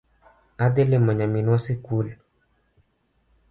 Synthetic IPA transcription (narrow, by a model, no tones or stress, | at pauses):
ad̪elemaɲaminwasikul